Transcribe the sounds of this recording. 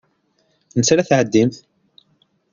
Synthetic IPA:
nəsɾæθʕəd̪ːimθ

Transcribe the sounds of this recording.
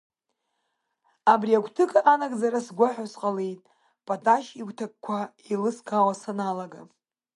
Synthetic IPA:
abriaɡʷʰtʰɨkʼaʔanakʼd͡zaɾasɡʷaħasqʼalejtʼ | pʼatʼaʃiɡʷtʰak̚kʷʰa | ilɨskʰʼawasanalaɡa

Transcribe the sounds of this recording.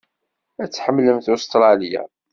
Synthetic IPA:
æt͡sːħəmːləmθʊst̪ɾˤɑlija̰

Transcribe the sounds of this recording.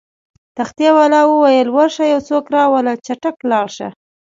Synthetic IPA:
t̪axt̪jawɑlɑwəwajəlwaɾʃajawt͡sokɾɑwəlat͡ʃaʈaklɑɽʃa̰

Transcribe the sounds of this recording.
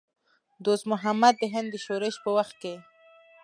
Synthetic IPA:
d̪osmʊɦamad̪ːəɦɪnd̪ːəʃoɾɪʃpəwaxt̪̚ke

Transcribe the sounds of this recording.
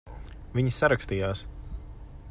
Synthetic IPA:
viɲisaɾakst̪iːjaːs

